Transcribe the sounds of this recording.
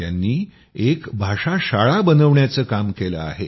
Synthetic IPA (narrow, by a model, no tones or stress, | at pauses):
janːiː | ekbʱaʂaɕaɭabənəʋɳjat͡səːkamkelə̰a̰ɦe